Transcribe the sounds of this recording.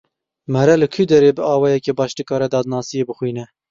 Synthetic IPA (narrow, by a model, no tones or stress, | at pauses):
mɛɾɛlɨkʰyd̪ɛɾeːbɨɑːwɑːjɛkeːbɑːʃt̪ɨkɑːɾɛd̪ɑːd̪nɑːsijeːbɨxwiːnɛ